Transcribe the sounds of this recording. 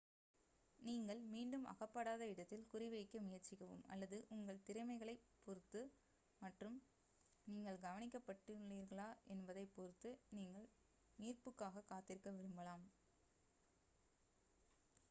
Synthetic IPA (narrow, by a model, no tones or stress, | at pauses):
niːŋɡɐɭmiːɳɖɯmʔɐ̰ɣɐpːɐɽaːðɐɪɽɐt̪ːɪlkʊrɪʋɐɪkːɐmɪjɐɾt͡ʃːɪɣɐʋɯ̰mɐ̰lːɐðɯʔʊŋɡɐɭt̪ɪɾɐmɐɪɣɐɭɐɪpːɔɾɯt̪ːɯ | mɐʈrɯm | niːŋɡɐɭɡɐʋɐnɪkːɐpːɐʈːɯliːɾɣɐɭaːʔɛnbɐðɐɪpːɔɾɯt̪ːɯniːŋɡɐɭ | niːrpɯkːaːɣɐkaːt̪ːɪɾɯkːɐʋɪɾɯmbɐɭaːm